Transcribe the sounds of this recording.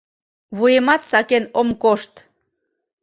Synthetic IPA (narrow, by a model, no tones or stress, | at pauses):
βujemɑt̪sɑkenomkoʃt̪